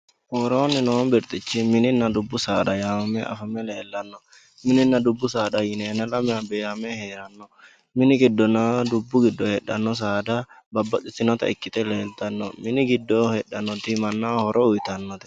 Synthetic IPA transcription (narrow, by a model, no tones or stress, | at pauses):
hɔɾoːnːɪnombɪɾt̪ʼɪt͡ʃːɪmɪnɪnːɐd̪ʊbːʊsaːd̪ɐjaːmɐmɛʔɐ̰fɐmɛleːlːɐnːɔ | mɪnɪnːɐd̪ʊbːʊsaːd̪ɐjɪneːnɐlɐmɪɐbeɐmɛheːɾɐnːɔ | mɪnɪɡɪd̪ːɔnɐd̪ʊbːʊɡɪd̪ːɔhɛɗɐnːɔs̬aːd̪ɐ | bɐbːɐt̪ʼɪt̪ːɪnɔt̪ɐ̰ɪkːɪt̪ʼɛleːlt̪ɐnːɔmɪnɪɡɪd̪ːɔhɛɗɐnːɔt̪ɪmɐnːahɔɾʔɔʊjt̪ɐnːɔt̪ɪ̥